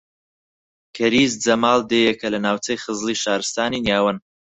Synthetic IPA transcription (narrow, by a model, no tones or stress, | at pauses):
kʰɐɾiːzd͡zɐmaːlˠd̪eːjekʰɐlɐnaːwt͡sɐjχɨzlˠiːʃaːɾɨst̪aːniːnjaːwɐn